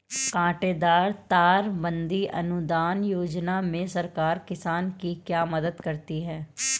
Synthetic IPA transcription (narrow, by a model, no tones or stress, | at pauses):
kãːʈeːd̪aːɾt̪aːɾbə̃nd̪iʔɐ̰nʊd̪aːnjoːd͡ʒnaːmẽsəɾkaːɾkɪsaːnkikjaːməd̪əd̪kəɾt̪iɦɛː